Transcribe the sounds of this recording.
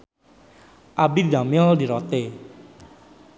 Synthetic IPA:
ʔabid̪amiɔldiɾot̪e

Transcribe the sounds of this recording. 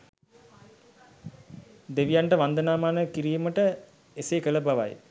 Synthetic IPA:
d̪eʋijaɳʈəʋand̪ənaːmaːnəkiɾiːməʈə | esekələbaʋa̰j

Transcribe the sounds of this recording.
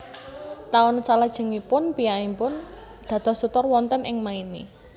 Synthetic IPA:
t̪aʊnsalad̥ʒ̥ə̤ŋipʊnpijaimpʊn | d̪̥ä̤d̪̥ɔ̤sut̪ɔrwɔnt̪ənʔɪŋmaini

